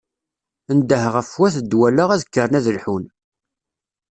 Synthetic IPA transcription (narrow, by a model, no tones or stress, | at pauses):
ənd̪əhəʁəfwæθəd̪ːwælaʁæðəkːəɾnæðəlħun